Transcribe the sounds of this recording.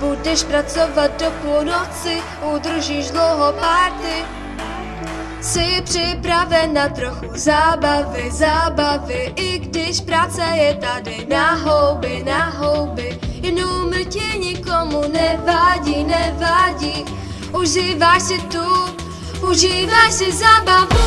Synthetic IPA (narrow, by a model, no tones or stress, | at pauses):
budɛʃpɾat͡sovat̪̚dopulnot͡sɪ | ud̪r̩ʒiːʒdlowɦopaːɾt̪ɪ | sɪpr̥ɪpɾavɛnːat̪ɾoxuzaːbavɪzaːbavɪʔɪɡdɪʃpɾaːt͡sɛjɛt̪adɪnaɦɔwbɪnaɦɔwbɪjnuml̩cɛɲɪkɔmunɛvaɟiːnɛvaɟiː | ʔuʒiːvaʃsɪt̪u | uʒiːvaʃsɪzaːbavu